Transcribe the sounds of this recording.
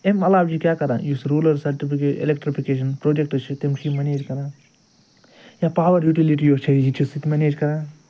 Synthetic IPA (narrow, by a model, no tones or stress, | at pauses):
emɐlaːbd͡ʒikʲjaːkɐɾa̰ːjusɾuːlɐɾsɐɾʈipʰikeḭlekʈɾipʰikeːʃ̬ɐnpɾoːd͡ʒek̚ʈɨt͡ʃʰit̪emt͡ʃʰimɐneːd͡ʒkɐɾãː | jaːpaːʋɐɾjuːʈiliʈijoːt͡ʃʰɐid͡ʒit͡ʃʰisikmeneːd͡ʒkɐɾãː